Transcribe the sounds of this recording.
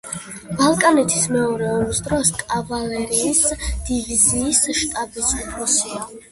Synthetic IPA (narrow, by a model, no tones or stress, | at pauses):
b̥alˠkʼanɛt̪ʰi̥smɛɔɾɛɔmisd̪ɾɔskʼavalɛɾiːsd̪̥iviziːsʃt̪ʼabisʼupʰɾɔsia